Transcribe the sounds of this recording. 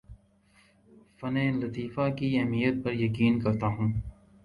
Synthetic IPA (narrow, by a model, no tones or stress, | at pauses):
fɐnẽːlɐt̪iːfakiɛɦmijət̪̚pɐɾjɐkiːnkɐɾt̪aːɦũː